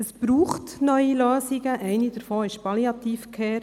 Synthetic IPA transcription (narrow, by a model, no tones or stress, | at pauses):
əsb̥ɾuːχtnœʏiløːziɡəʔɛɪnidəɾfoːɪʃpɑliɑt̪iːfkʰɛː